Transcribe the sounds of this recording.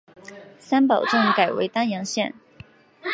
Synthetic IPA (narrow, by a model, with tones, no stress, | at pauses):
sa˥npɑ˨˩ʊʈ͡ʂɤ˥˩ŋka˨˩ɪwe˧˥ɪt̪a˥njɑ˧˥ŋɕjɛ˥˩n